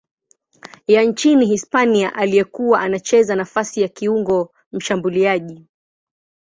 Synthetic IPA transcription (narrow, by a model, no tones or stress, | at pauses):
jant͡ʃiniɦispaniaʔalijɛkuwaʔanat͡ʃɛzanafasijakiuŋɡɔ | m̩ʃambuliaʄi